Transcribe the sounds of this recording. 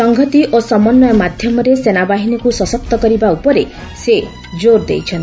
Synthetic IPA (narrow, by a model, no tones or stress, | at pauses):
sɔŋɡʱɔt̪iʔosɔmɔnːɔjɔmad̪ʱjɔmɔɾesenabaɦinɔkusɔsɔp̚t̪ɔkɔɾibaupɔɾe | se | d͡ʒoɾd̪ḛjt͡ʃʰɔnt̪ʰi